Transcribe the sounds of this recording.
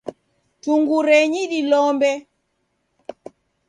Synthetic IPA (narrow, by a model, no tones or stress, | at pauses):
tuŋɡuɾɛɲiɗilɔmbɛ